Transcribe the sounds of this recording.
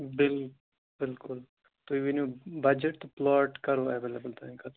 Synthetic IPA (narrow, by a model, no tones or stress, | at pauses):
bɪl | bɪlkʊl | t̪oiʋinõbɐd͡ʒeʈt̪oplɔːʈkɐɾoːɛʋeːlebəlt̪ʰãkɐ